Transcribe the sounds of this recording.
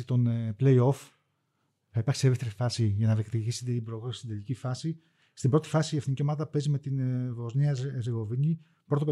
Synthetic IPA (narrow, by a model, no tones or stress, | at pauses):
it̪o̞nple̞io̞f | θɐipɐɾksieest̪eɾifɐsiʝɐnɐðekt̪iʝiset̪eibɾoɣɾost̪id̪elicifɐsi | st̪ibɾo̞t̪i̥fɐsiefθiniciomɐt̪ɐppe̞zime̞t̪invo̞zniɐzeɣo̞viɲi | pɾo̞t̪o